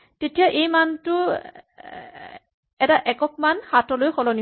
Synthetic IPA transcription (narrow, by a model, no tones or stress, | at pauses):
tetijaʔejmantʊ | ɛtaʔɛkɔk̚manhatɔlojxɔlɔni